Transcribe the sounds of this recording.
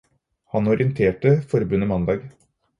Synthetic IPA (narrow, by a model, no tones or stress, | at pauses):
hɑnɔɾɪənt̪ʰeːʈəfɔɾbʉnːəmɑnd̪ɑːɡ